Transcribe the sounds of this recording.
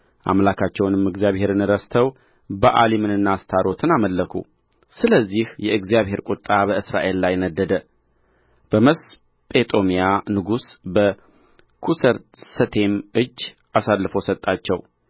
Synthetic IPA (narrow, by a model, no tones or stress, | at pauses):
ʔa̰mlakʰat͡ʃːɛwnɨmɨɡzjaβhe̞ɾɨnɨɾəst̪ʰəw | bəʔalimɨnɨnːast̪ʰaɾo̞t̪ʰɨnaməlːəkʰṵ | sɨləzːihjɛɨɡzijaβɦe̞ɾkʷʼut̪ʼːabəɨsɾa̰ʔe̞lːajnəd̪ːəd̪ə | b̥əməs | pʼe̞t̪ʼo̞mijanɨɡusbə | kʰusəɾsət̪ʰe̞mɨd͡ʒː | ʔasalːɨfosət̪ʼːat͡ʃːɛw